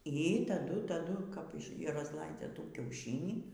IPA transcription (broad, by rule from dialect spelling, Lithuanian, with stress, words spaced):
iː tɐˈdʊ tɐˈdʊ kɐp rɐzˈlˠɐɪd͡zʲɛ ˈtuː kʲɛʊˈʃʲɪnʲiː